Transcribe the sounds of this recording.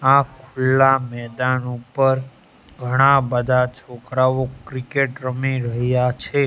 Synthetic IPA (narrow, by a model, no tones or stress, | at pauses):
akʰʊlːamɛd̪anupəɾ | ɡʱəɽ̃abəd̪ʱat͡ʃʰokɾaʋokɾikeʈɾəmiɾəɦjat͡ʃʰe